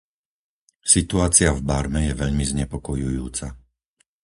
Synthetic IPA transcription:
sit̪uaːt͡sɪavbaɾmɛjɛʋɛʎmizɲɛpɔkɔjujṵːt͡sa

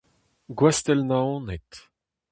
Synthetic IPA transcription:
ɡwast̪ɛlnaɔ̃net̪

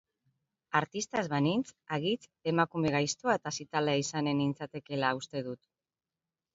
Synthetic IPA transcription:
aɾt̪ist̪azβanint͡saɣit͡se̞makume̞ɣ̞ajst̪oaet̪asit̪aleaisane̞nint͡sat̪e̞ke̞laust̪e̞ðut̪

